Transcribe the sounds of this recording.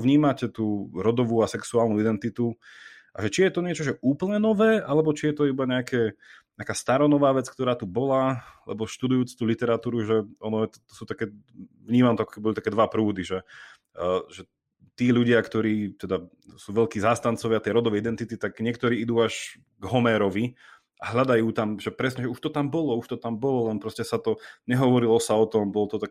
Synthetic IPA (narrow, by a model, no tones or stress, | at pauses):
ʋɲiːmacɛt̪uːɾɔd̪ɔʋuasɛksuaːlnuid̪ɛnt̪it̪u | ʔa̰ʒɛt͡ʃijɛt̪ɔɲɪɛt͡ʃɔʒɛʔuːpl̩ɲɛnɔʋɛːʔalɛbɔt͡ʃijɛt̪ɔibaɲɛakʰɛɲɛakaːst̪aɾɔnɔʋaːʋɛt͡skt̪ɔɾaːt̪ubɔlalɛ̰bɔʃt̪ud̪ujuːt͡st̪uːlit̪ɛɾat̪uːɾuʒɛɔnɔjɛt̪t̪ɔsuːt̪akɛː | vɲiːmamt̪ɔakɔkɛbibɔlt̪akɛːd̪ʋapɾuːd̪iʒɛ | ʒɛ | t̪iːʎuɟɪakt̪ɔɾiːt̪ɛd̪a | suːʋɛʎkiːzaːst̪ant͡sɔʋɪat̪ɛjɾɔd̪ɔʋɛjid̪ɛnt̪it̪it̪aɡɲɪɛkt̪ɔɾiːid̪uːaʒ | ɡɦɔmɛɾɔʋi | aɦʎad̪ajuːt̪amʒɛpɾɛsɲɛʒɛuʃt̪ɔt̪ambɔlɔuʃt̪ɔt̪ambɔlɔlɛnpɾɔscɛsat̪ɔɲɛɦɔʋɔɾilɔsaɔt̪ɔmbɔlɔt̪ɔt̪ak